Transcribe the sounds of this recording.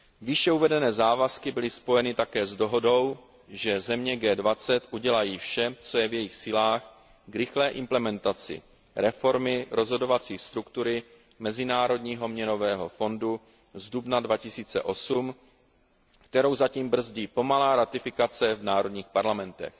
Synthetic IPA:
vɪʃɛuvɛdɛnɛːzaːvaskɪbɪlɪspo̞jɛnɪt̪akɛːzdo̞ɦo̞do̞w | ʒɛzɛmɲɛɡɛːdvat͡sɛt̪ʔuɟɛlajiːfʃɛt͡so̞jɛvjɛjɪxsiːlaːx | ɡɾɪxlɛːʔɪmplɛmɛnt̪at͡sɪ̰ | ɾɛfo̞ɾmɪɾo̞zɦo̞do̞vat͡siːxst̪ɾukt̪uɾɪ | mɛzɪnaːɾo̞dɲiːɦo̞mɲɛno̞vɛːɦo̞̰fo̞ndu | zdubnadvacɪsiːt͡sɛ̰ʔo̞sum | kt̪ɛɾo̞wzaciːmbr̩zɟiːpo̞malaːɾat̪ɪfɪkat͡sɛvnaːɾo̞dɲiːxpaɾlamɛnt̪ɛ̰x

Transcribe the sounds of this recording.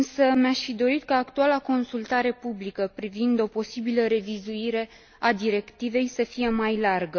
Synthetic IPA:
ɨnsəmaʃʲfid̪o̞ɾit̪̚kaːkt̪ualako̞nsult̪aɾe̞publikəpɾivind̪o̞po̞sibiləɾe̞vizuiɾe̞ | ad̪iɾe̞kt̪ive̞jsəfije̞majlarɡə

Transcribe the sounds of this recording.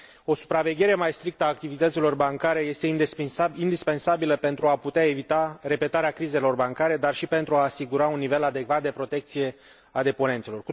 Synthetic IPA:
o̞su̥pɾave̞ɡʲje̞ɾe̞majst̪ɾik̚t̪əaːk̚t̪ivit̪ət̪silo̞rbaŋkaɾe̞je̞st̪e̞ind̪ind̪ispe̞nsabiləpe̞nt̪ɾuaput̪eae̞vit̪aɾe̞pe̞t̪aɾeakɾize̞lo̞rbaŋkaɾe̞d̪arʃipe̞nt̪ɾuaːsiɡuɾaunːive̞lad̪e̞ɡvat̪̚d̪e̞pɾo̞t̪e̞k̚t̪sije̞ | ad̪e̞po̞ne̞nt̪selo̞rku

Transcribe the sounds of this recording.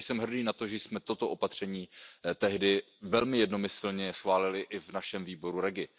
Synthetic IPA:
sɛmɦr̩diːnat̪o̞ʒɛsmɛt̪o̞t̪oʔopat̪r̝̥ɛɲiːt̪ɛɦdɪ | vɛlmɪjɛdnomɪsl̩ɲɛsxvaːlɪlɪʔɪvnaʃɛmviːbo̞ɾuɾɛɡɪ

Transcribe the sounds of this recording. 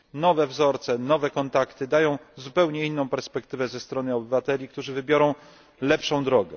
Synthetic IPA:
nɔvɛvzɔɾt̪sɛnɔvɛkɔnt̪akt̪ɘd̪ajɔ̃w̃zupɛwɲɛinːɔ̃w̃pɛɾspɛkt̪ɘvɛzɛst̪ɾɔnɘɔbɘvat̪ɛlʲik̚t̪uʐɘvɘbʲjɔɾɔ̃w̃ | lɛpʂɔ̃w̃d̪ɾɔɡɛ̰

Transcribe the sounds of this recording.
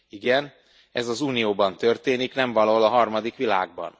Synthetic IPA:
iɡɛn | ɛ̰zɒzuːnijoːbɒnt̪ørt̪eːniknɛɱvɒloːlɒɦɒrmɒd̪ikʋila̰ːɡ̚bɒ̰n

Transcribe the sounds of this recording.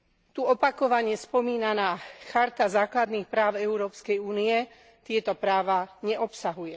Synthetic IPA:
t̪uɔpakɔʋaɲɪɛspɔmiːnanaːxaɾt̪azaːklad̪niːxpɾaːʊɛuɾɔːpskɛjuːniɛ | t̪ɪɛt̪ɔpɾaːʋaɲɛʔɔpsaɦujɛ

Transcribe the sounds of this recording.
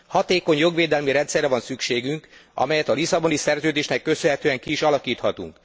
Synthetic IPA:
hɒt̪eːko̞ɲjo̞ɡʋeːd̪ɛlmiɾɛnt̪sɛrːɛvɒnsykʃeːɡyŋkɒ̰mɛjɛt̪ɒlisɒbo̞nisɛrzøːd̪eːʃnɛkːø̞sønɦɛt̪øːɛŋkiːʃɒlɒkiːt̪hɒt̪ṵŋk

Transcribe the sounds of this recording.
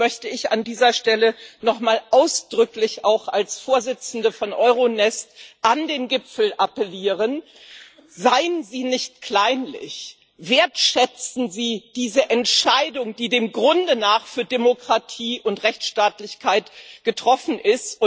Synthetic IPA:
mœçtəɪça̰ndiːzɐʃtɛlənɔχmaːlʔaʊsd̥ʁʏklɪçaʊxalsfoːɐzɪt͡sn̩dəfɔnʔɔʏʁonɛstʔandeːnɡɪpfl̩ʔapəliːʁən | zaɪənziːnɪçt̚kʰl̥aɪnlɪ̰ç | veːɐtʃɛt͡sn̩ziːd̥iːzəʔɛntʃaɪdʊŋd̥iːdeːmɡʁʊndənaːχfyːɐdemokʁ̥atʰiːʔʊntʁɛçt͡sʃtaːtlɪçkʰaɪtɡ̥ətʁ̥ɔfn̩ʔɪst

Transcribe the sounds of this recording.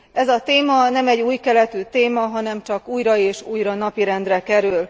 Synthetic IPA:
ʔɛzɒt̪eːmɒnɛmɛɟːuːjkɛlɛt̪yːt̪eːmɒɦɒnɛmt͡ʃɒkuːjɾɒeːʃuːjɾɒnɒpiɾɛnd̪rɛkɛɾyl

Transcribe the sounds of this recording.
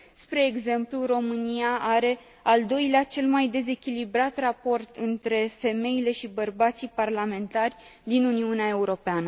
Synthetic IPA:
spɾe̞ːɡze̞mpluro̞mɨnijaʔaɾe̞ | ald̪o̞jleat͡ʃe̞lmajd̪e̞ze̞kʲilibɾat̪rapo̞rt̪ɨnt̪ɾe̞fe̞me̞ile̞ʃibərbat̪siparlame̞nt̪arʲd̪inuniuneae̞uɾo̞peanə

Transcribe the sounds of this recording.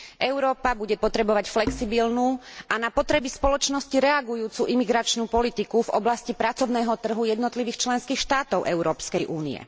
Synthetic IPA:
ʔɛʊɾɔːpabuɟɛpɔt̪ɾɛbɔʋacflɛksibilnuːʔanapɔt̪ɾɛbispɔlɔt͡ʃnɔsciɾɛaɡujuːt͡suʔimiɡɾat͡ʃnuːpɔlit̪ikuvɔ̰blascipɾat͡sɔʊnɛːɦɔt̪r̩ɦujɛd̪nɔt̪liʋiːxt͡ʃlɛnskiːxʃt̪aːt̪ɔʊʔɛʊɾɔːpskɛjʔuːnḭɛ̰

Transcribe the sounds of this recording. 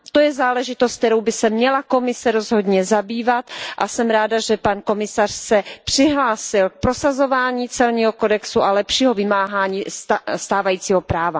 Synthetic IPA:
t̪o̞jɛzaːlɛʒɪt̪ost̪̚t̪ɛɾowbɪsɛmɲɛlako̞mɪsɛɾo̞zɦo̞dɲɛzabiːvat̪ʔasɛmɾaːdaʒɛpanko̞mɪsar̝̥sɛpr̥ɪɦlaːsɪlk̚pɾo̞sazo̞vaːɲiːt͡sɛlɲiːɦoko̞dɛksuʔalɛpʃiːɦovɪmaːɦaːɲiːsst̪aːvajiːt͡siːɦo̞pɾaːva

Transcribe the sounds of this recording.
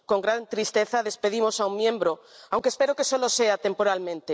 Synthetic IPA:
ko̞ŋɡɾant̪ɾist̪e̞θaðe̞spe̞ðimo̞saummjẽ̞mbɾoawŋkespe̞ɾoke̞so̞lo̞se̞at̪e̞mpo̞ɾalmẽnt̪e

